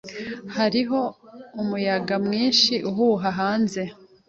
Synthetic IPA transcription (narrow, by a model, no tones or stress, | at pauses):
haɾiɦo̞umujaɡamŋiːnʃiʔuɦuɦaɦaːnze̞